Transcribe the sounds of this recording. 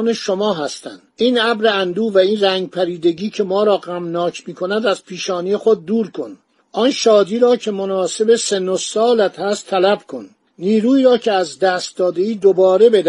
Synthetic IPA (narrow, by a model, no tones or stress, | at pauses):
neʃomɒːɦæst̪æ̰nd̪̥iːnæbɾeænd̪uːvæiːnræŋɡ̚pʰæɾiːd̪e̞ɟiːcʰe̞mɒːɾɒːɣæmnɒːcʰmiːkʰo̞næd̪æz̥pʰiːʃɒːnije̞xod̪̚ːuːɾkʰo̞n | ʔɒnʃɒːd̪iːɾɒːcʰe̞monɒːse̞besenːosɒːlæt̪hæst̪ʰːælæbkʰo̞nː | iːɾuːiːɾɒːcʰe̞æzd̪æːst̪̚d̪ɒːd̪e̞iːd̪obɒːɾe̞be̞d̪æ